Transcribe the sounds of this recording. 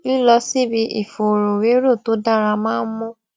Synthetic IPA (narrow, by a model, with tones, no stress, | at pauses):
bi˦lɔ˧si˦bi˧˦ʔḭ˨fo˨ɾo˨we˨˦ɾo˦˨to˨˦da˦˨ɾa˧mãː˦n̩˦mɔ̃˦